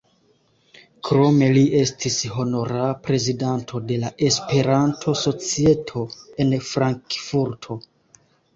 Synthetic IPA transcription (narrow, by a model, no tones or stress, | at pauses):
kɾo̞me̞liʔe̞stʰisho̞no̞ɾapɾe̞zidantʰo̞de̞laʔe̞spe̞ɾantʰo̞so̞t͡sie̞tʰo̞e̞nfɾaŋkfuɾtʰo̞